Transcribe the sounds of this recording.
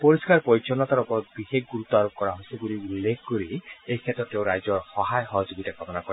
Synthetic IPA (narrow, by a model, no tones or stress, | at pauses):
poɾiskaɹpɔjt͡ʃɔnat̪aɾɔpɔɾɔt̪̚bixekʰɡuɾut̪ɔaɾop̚kɔɾaɦojsibuliulːekʰkoɾiejkʰetɔtːewɾajzɔɹxɔɦajxɔɦɔd͡ʒoɡitakɔmɔnakɔɹɛ